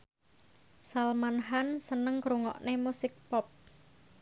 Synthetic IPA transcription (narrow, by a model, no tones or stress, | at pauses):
salmanɦansənəŋkɾuŋɔ̰ʔnemusɪk̚pɔp̚